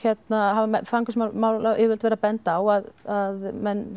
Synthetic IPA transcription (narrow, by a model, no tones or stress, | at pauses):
çɛt̪naɦavamɛfɾaŋkʏsmawmawlaʔɛvʏlt̪vɛːɾapɛnt̪awaðaðmɛn